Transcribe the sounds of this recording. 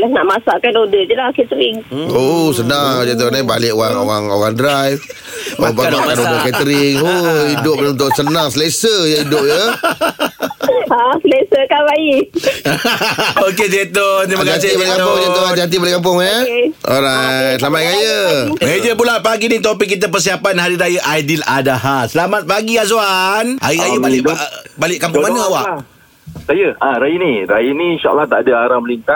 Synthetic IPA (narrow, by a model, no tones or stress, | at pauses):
lahnaʔmasaʔkanodəd͡ʒəlakɛt̪əɾɪŋosənaŋd͡ʒet̪̬oniba̰lɪʔoɣaŋo̰ɣaŋo̰ɣaŋdɾajf | oaŋbaɡaʔkanodəkɛt̪əɾɪŋoidʊp̚unt̪ʊʔsənãŋsəlesəjəidʊp̚jə | asəlesəkalaji | oked͡ʒet̪ond̪imakkas̬ebalkampʊŋd͡ʒeoat̪iant̪̬ibaleʔkamp̬ʊŋaeo̰ɾasəlamaʔkajəmed͡ʒəpulaʔ̚paɡinĩt̪̬opɪkːit̪̬əp̬ərs̬iapanɦaɾiɾajəʔajdiladaɦasəlamat̪̚paɡiazwana̰jikajəbalɪʔbalɪʔkamp̬ʊŋmanəawaʔ | sajəaɾajəniɾajənĩʃaʔa̰lːaht̪aʔadaaɾaməlint̪a